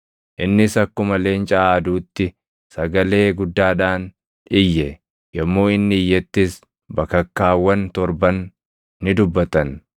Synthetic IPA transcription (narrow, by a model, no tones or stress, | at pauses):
ʔɪnːɪsɐkːʊmɐle̞ːnt͡ʃʼaːd̪uːt̪ːɪ | sɐɡɐle̞ːɡʊd̪ːaːᶑaːn | ɪjːɛ | jɐmːo̞ːɪnːɪɪjːɛt̪ːɪs | bɐkːɐkːaːwːɐnt̪ɔɾbɐnː | ɪd̪ʊbːɐt̪ɐn